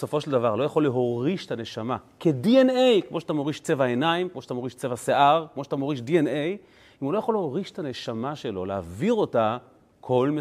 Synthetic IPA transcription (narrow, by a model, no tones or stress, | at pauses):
so̞fo̞ʃeldavaʁlojaχo̞lːeɦo̞ʁiʃetane̞ʃamakedienejkmo̞ʃeat̪amo̞ʁiʃt͡sevaenaimkmoʃat̪amoʁiʃt͡sevaseʔaʁkmo̞ʃat̪amoʁiʃdienej | imulo̞jaχoleho̞ʁiʃe̥tane̞ʃamaʃe̞lo̞leaviʁo̞ta | kʰo̞lme